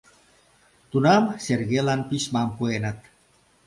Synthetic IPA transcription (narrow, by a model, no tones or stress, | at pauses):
t̪unamserɣelanpismampuenət̪̚